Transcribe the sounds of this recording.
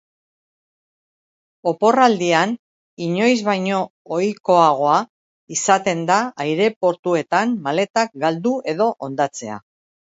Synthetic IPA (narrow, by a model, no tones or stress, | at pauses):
o̞po̞rald̪ian | iɲo̞jzβajɲo̞ojko̞aɣ̞o̞a | isat̪e̞nd̪aːjɾe̞po̞ɾt̪ue̞t̪anmale̞t̪ak̚ɡald̪ue̞ðo̞ʔo̞nd̪at͡se̞a̰